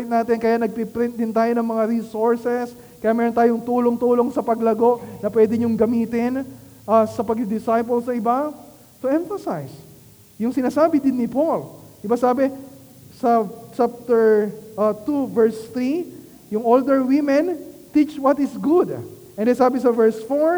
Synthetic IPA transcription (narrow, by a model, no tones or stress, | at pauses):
jt̪̚naːt̪ɪnkɐjanɐɡ̚pipɾɪ̃nt̪̚d̪ɪnt̪aːjo̞nɐŋmɐŋaɾisoɹsɛs | kɐjamɛːɾont̪aːjoŋt̪uːlo̞ŋt̪uːlo̞ŋsɐpɐɡlɐɡo̞ʔnɐpwɛːd̪ɪɲoŋɡɐmiːt̪ɪn | ʔɐsɐpɐɡ̚d̪ɪsajp̬olsɐʔɪba | t̪ʊʔɛ̃ɱfɐsajs | jʊŋsɪnaːsaːbɪd̪ɪnːɪpolʔɪbasaːbɛ | sɐt͡ʃap̚t̪ɛɹʔɐt̪uvɛɹst̪ɾi | jʊŋold̪ɛɹwɪmɛnt̪it͡ʃwɐt̪ɪsɡʊd̪ʔɛ̃nd̪ɛjsaːbɪsɐvɛɹsfoɹ